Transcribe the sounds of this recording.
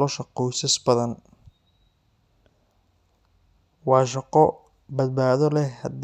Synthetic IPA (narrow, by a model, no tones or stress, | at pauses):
ɔʃɐqɔjsɐsbɐðɐn | wɑːʃɑqɔ | bɐd̪̚baːðɔlɛhɐd̪